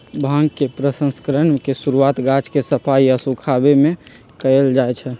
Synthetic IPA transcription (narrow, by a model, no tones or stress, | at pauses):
bʱãŋɡkepɾəsə̃nskəɾənkesuɾuat̪ɡat͡ʃkesəpʰaiəsukʰabeme | kəeld͡ʒajt͡ʃʰɛ